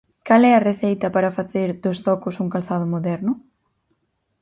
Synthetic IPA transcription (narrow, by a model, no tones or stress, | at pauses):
kalɛɐreθejt̪ɐpaɾɐfaθeɾðʊst̪ɔkʊsuŋkalθaðʊmoðɛɾnʊ